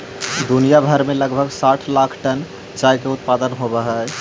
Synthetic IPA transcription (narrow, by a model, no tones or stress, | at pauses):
d̪unijabʱəɾmẽləɡbʱəɡsaːʈʰlaːkʰʈən | t͡ʃaːɦkeʊt̪̚pad̪ənɦobəɦɛ